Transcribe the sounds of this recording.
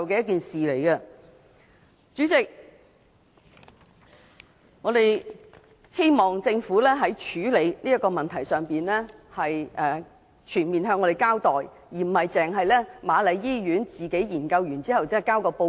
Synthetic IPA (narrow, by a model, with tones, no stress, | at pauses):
wk̬ɛː˧jɐ˥k̬iː˨nsiː˨le˨˩jkɛ˧ | t͡ʃyː˨˥t͡sɪ˨k̚ | ŋɔː˨˧d̪e˨˩j | he˥jmɔː˨˩ŋt͡sɪ˧ŋfu˨˥lɛː˥ɦɐ˨˥jt͡ʃʰyː˨˥le˨˧jniː˥jɐ˥t̚kɔː˧mɐ˨nt̪ʰɐ˨˩jsœː˨ŋpiː˨nlɛː˥hɐ˨jʔɛː˨˧ | t͡ʃʰyː˨˩nmiː˨˩nɦœː˧ŋːɔː˨˧e˨jkaː˥wt̪ɔː˨˩j | jiː˨˩m̩˨˩hɐ˨˩jt͡sɛː˨˩ŋɦɐ˨jlɛː˥maː˨˧lɐ˨˧jːiː˥jyː˨˥nt͡siː˨ke˨˥jjiː˨˩nkɐ˧wjyː˨˩nt͡siː˥hɐ˨wt͡sɛː˥˨kaː˥wkɔː˧po˧